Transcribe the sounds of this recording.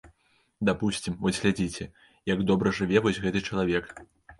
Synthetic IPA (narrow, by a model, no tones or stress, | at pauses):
d̪apusʲt͡sʲimvɔzʲɣlʲad͡zʲit͡sʲɛ | jaɡd̪ɔbɾɐʐɨvʲɛvɔsʲɣɛt̪ɨt͡ʂɐlˠavʲɛk